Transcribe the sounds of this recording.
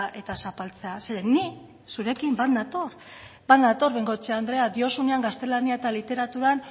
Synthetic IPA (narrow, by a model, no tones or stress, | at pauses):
ʔe̞t̪asapalt͡se̞aseðeni | suɾe̞kimbat̪nat̪o̞ɾ | bat̪nat̪o̞ɾβeŋɡo̞t͡ʃeand̪ɾe̞ad̪io̞suneaŋɡast̪e̞laniaet̪alit̪e̞ɾat̪uɾan